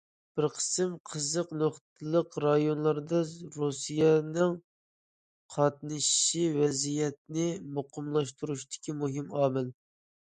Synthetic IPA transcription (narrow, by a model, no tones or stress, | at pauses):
b̥ɪɾqʰə̥sɨmqʰəzəqnoχtt̪ʰɨlˠəqɾɑjonlˠɑɾd̪ɑɾusijɛnɨŋ | qʰɑt̪̚nɨʃiʃivɛzijɛt̪̚nɪmoqʰʊmlˠɑʃt̪uɾuʃt̪ɪ̥kʲimuɦɪmɑːmɪl